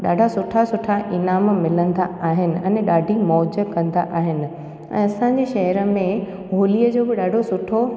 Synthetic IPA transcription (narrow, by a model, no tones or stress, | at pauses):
ɗaːɖʱasʊʈʰasʊʈʰaʔɪnaːmmɪlə̃n̆d̪aaːɦɪnɪ̆ɛ̃ːɗaːɖʱimɔːd͡ʑəkɐ̃nd̪aʔaːɦɪnɪ̆ | ɛ̰̃ːɐsãɲ̆d͡ʑeːʃɐɦəɾəmẽ | ɦoːliːəd͡ʑoːbɪɗaːɖʱosʊʈʰo